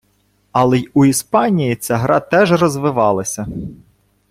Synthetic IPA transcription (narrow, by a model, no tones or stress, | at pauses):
ɑlˠɛuispɑnʲijit͡sʲaɦɾɑt̪ɛʒrɔzʋɪʋɑlˠɐsʲɐ